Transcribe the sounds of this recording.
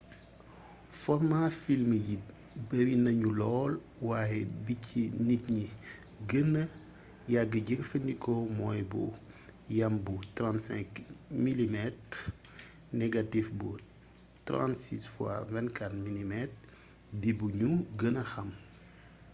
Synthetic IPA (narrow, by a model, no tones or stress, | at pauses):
fɔrmafilməji | bɐɾinɐɲulɔːl | waːjɛbicʰinitɲi | ɡənə | jaɡːəɟəkfəndikɔmɔːjbṵ | jɐmbutɾantsɛ̰̃ŋkmilimɛt̚ | nɛɡatifbu | tɾã̰ntsḭsfwa̰vɛnkatmilimɛt̚ | dibuɲuɡənəxɐm